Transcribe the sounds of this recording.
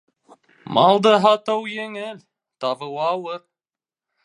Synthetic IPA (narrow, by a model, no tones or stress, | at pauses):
mɑlˠd̪ɤɦɑt̪ɤwjɘŋɘlʲ | t̪ɑvɤwɑwɤɾ